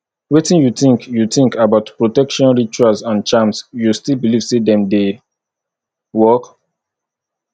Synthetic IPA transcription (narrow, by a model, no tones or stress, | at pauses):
wetĩnjuθĩŋkjuθĩŋkabaʊtpɹotɛkʃɔ̃nɹit͡ʃualsãnt͡ʃãmsjustilbiliv̥sedɛ̃mde | wɔk